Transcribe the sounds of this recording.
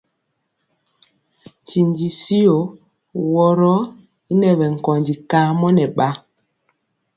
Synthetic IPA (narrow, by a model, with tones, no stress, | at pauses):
ti˨nd͡ʒi˨si˦o˨ | wɔ˨ɾɔ˦ | i˦nɛ˨βɛ˨ŋ̩˨kɔ˨ndi˨ka˨˦mɔ˦nɛ˨ɓa˦